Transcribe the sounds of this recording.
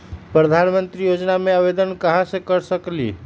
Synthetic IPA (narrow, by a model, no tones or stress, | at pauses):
pɾəd̪ʱanmənt̪ɾijod͡ʒnameaβed̪ənkaɦãsə̃kəɾsəklḭ